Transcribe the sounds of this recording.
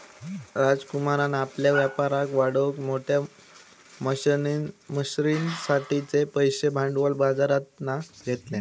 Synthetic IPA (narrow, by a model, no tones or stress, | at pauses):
ɾad͡zkumaɾanapljaʋjapaɾakʋaɽəkmoʈʰja | mə | məɕɾinsaʈʰit͡sepəjɕebʱãɳɖʋəlbad͡zaɾat̪̚naɡʱet̪lẽ